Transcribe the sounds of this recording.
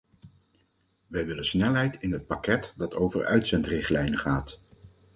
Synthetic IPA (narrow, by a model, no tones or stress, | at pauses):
ʋɛjʋɪlənsnɛlˠɦɛjtɪnɦət̚pakɛtdɑtʰowvə̰ɹœ̰ɥtsɛntrɪχtlɛjnəχaːt